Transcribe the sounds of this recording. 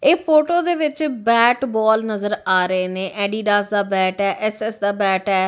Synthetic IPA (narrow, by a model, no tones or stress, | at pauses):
eːpʰoːʈoːd̪eːʋɪt͡ʃbɛːʈbɔːlnəzəɾaːɾəeːnẽːʔɛːɖiːɖaːsd̪aːbɛːʈɛːʔɛːsɛːsd̪aːbɛːʈɛː